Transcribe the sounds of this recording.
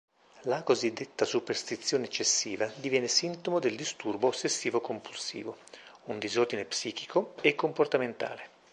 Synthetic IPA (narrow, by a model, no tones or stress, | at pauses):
lakozid̪ːet̪ːasuperst̪it̪sːjoːneːt͡ʃːesːiːvad̪ivjɛːnesint̪omod̪eld̪ist̪urboːsːesːiːvokompulsḭːvound̪izord̪inepsiːki̥kʰoekːomport̪ament̪a̰ːle